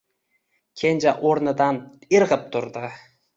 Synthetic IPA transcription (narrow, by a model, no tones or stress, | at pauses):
kʲʰend͡ʒaʔoɾnɪd̪anɪɾʁɨp̚t̪ʰʊɾd̪ɪ